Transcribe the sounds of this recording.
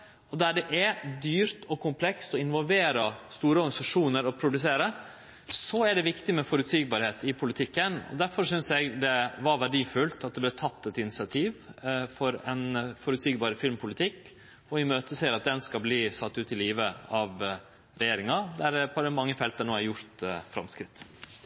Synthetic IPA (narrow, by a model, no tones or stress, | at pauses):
ɔd̪æɖɛʔɛd̪yːɾt̪ʰɔkʰʊmpʰlɛkst̪ɔɪnʋɔlʋeːɾɑst̪uːɾəɔɾɡɑnɪsɑʂuːnəɾɔpʰɾʊd̪ʉs̬eːɾə | sɔæɖɛʋɪkt̪ɪmɛfɔɾʉt̪siːɡ̚bɑɾheːt̪ɪpʰʊlɪt̪ʰɪkːənɔ̰d̪æɾfɔɾʂʏnsɛɡd̪ɛʋɑɾʋæɖiːfʉlt̪ɑt̪̚d̪ɛblɛːt̪ʰɑt̪ːɛt̪ɪnɪsɪɑt̪ʰiːʋfɔɾɛnfɔɾʉt̪siːɡbɑːɾəfɪlmpʰʊlɪt̪ʰɪkː | ɔɪmøːt̪əseːɾɑt̪̚d̪ɛnskɑbliːsɑt̪ːʉːt̪ɪliːʋəɑʋ | ɾɛjeːɾɪŋɑd̪æɾpʰɔd̪ɛmɑŋːəfɛlt̪̚d̪ənoːæɾjʊɾt̪fɾɑ̰mskɾɪt̪ː